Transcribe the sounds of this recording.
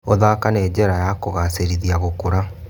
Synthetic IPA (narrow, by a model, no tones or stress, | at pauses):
oðakaneːd͡ʑɛɾajakoɣaseɾiðiaɣokoɾa